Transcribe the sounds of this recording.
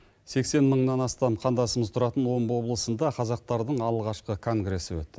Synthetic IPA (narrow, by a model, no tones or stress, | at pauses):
se̞kse̞nməɴnɑnɑst̪ɑmqʰɑnd̪ɑsəməzt̪ʰʊɾɑt̪ənwo̞mwo̞blˠəsənd̪ɑqʰɑzɑq̚t̪ɑɾd̪əɴɑlˠʁɑʃqəkʰo̞ŋɡɾe̞sɪwɵ̰t̪ːɪ